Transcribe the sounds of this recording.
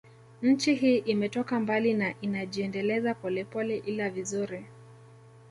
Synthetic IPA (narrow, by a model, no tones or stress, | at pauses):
ɲ̩t͡ʃiɦiːʔimɛtɔkambalinaʔinaʄiɛndɛlɛzapɔlɛpɔlɛʔilavizuɾi